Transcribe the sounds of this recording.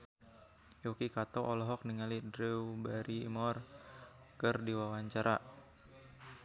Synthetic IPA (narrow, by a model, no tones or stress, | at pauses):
jokikat̪ɔʔɔlɔɦɔk̚niŋalidɾiubaɾiːmɔr | kərdiwawaɲt͡ʃaɾa